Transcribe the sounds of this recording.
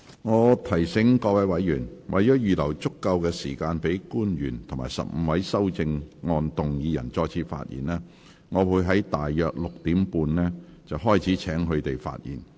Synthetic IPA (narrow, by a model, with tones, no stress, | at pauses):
ŋɔː˨˧t̪ʰɐ˨˩jsɪ˨˥ŋkɔː˧wɐ˨˥jwɐ˨˥jjyː˨˩nwʔɐ̰˨jɔː˨˥jyː˨lɐ˨˩wt͡sʊ˥kːɐ˧wkɛː˧siː˨˩kaː˧npe˨˥jkuː˥njyː˨˩nt̪ʰŋmaː˨˩sɐ̰˨p̚m̩˨˧wɐ˨˥jsɐ˥wt͡sɪ˧ŋŋɔː˧nt̪ʊ˨ŋjiː˨˧jɐ̰˨˩nt͡sɔː˧jt͡sʰiː˧t̚fa̰ː˧t̚jḭː˨˩nɛː˥ | ŋɔː˨˧wuː˨˧jɦɐ˨˥jt̪aː˨jːœː˨k̚lʊ˨k̚t̪iː˨˥mpuː˧nlɛː˥t͡sɐ˨wɦɔː˥˩jt͡sʰiː˨˥t͡sʰɛː˨˥ŋɦɵ˧ɥt̪e˨jfa̰ː˧t̚jḭː˨˩n